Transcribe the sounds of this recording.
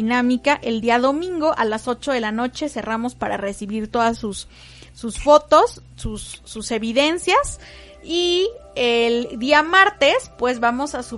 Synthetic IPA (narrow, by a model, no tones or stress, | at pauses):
inamikaʔe̞ld̪iaðo̞mĩŋɡo̞ʔalaso̞t͡ʃo̞ðe̞lano̞t͡ʃe̞se̞ramo̞spaɾare̞siβiɾt̪o̞ðasusː | usfo̞t̪o̞sː | usːuse̞βiðe̞nsjas | ield̪iamaɾt̪e̞spwe̞zβamo̞sasu